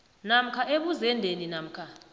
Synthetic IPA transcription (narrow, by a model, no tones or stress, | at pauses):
nam̩kʰaʔeɓuzɛndʱeninam̩kʰa